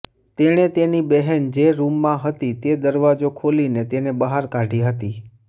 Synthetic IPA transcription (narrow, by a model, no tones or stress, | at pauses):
t̪eɽ̃et̪enibɛɦɛnd͡ʒeɾumːãɦət̪it̪ed̪əɾʋad͡ʒokʰolinet̪enebəɦaɾkaɖʱiɦət̪i